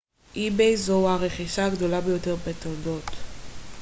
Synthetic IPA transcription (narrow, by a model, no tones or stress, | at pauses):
ʔibejzouhaʁeχiʃaːɡd̪o̞labejo̞t̪e̞ʁbet̪odo̞t̪